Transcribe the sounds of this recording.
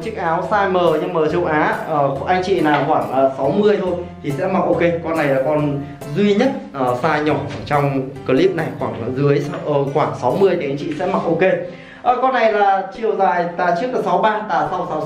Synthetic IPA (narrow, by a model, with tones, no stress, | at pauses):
t͡ɕɨ˦˥ək̚ʔaː˨˦wsaː˧jməː˨˩ɲɨ˧məː˨˩t͡ɕə˨˧wʔaː˨˦ʔəː˨˩ʔa˧jŋ̟t͡ɕḭ˧˨naː˨˩wxwaː˧˩ŋː˨˩sa˨˦wmɨ˧əjt̪ʰo˧jt̪ʰi˨˩sɛ̰˧˥ma˨˩ʔo˧ke˧kɔ˧nːa˨˩jlaː˨˩kɔ˧n | zwi˧ɲə˦˥t̚ʔəː˨˩saː˧ɲɔ˧˩˨t͡ɕɔ˧wŋ͡mkə˧˩li˦˥əp̚na˨˩jxwaː˧˩ŋ˨˦zɨ˨˦əjʔəː˧˩xwaː˧˩ŋsa˨˦wmɨ˧əjt̪ʰi˨ʔa˧jŋ̟t͡ɕḭ˧˨sɛ̰˧˥ma̰˧˨˩ʔo˧ke˧ | ʔəː˨˩kɔ˧nːa˨˩jlaː˨˩t͡ɕḭ˨əwza̰ː˧˨jt̪aː˨˩t͡ɕɨ˦˥ək̚aː˨˩sa˨˦wɓaː˧t̪aː˨˩sa˧wsa˨˦